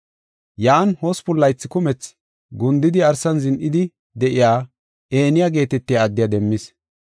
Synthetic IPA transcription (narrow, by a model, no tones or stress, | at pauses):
jaːnhospʊlːɐjt͡sːɪkʊmɛt͡s | ɡʊnd̪ɪd̪ɪɐɾsɐnzɪnʔɪd̪ɪ | d̪ɛʔɪjaː | eːnɪjaɡe̞ːt̪ɛt̪ːɪjaːd̪ːɪjɐd̪ɛmːɪs